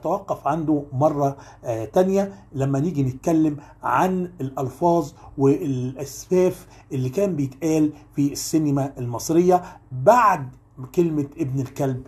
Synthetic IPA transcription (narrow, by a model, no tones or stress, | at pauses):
t̪æwæqːɑfʕand̪omɑrˤːɑ | t̪ænjælæmːæniːɡinɪt̪̚kælːɪm | ʕa̰nelʔɑlfɑːzˤwelʔæsfæːf | ʔelːikæːmbɪjet̪ʔæːlfisːenmæʔelmɑsˤɾeɪjːɑbaʕd̪ | kelmeʔebnelkælb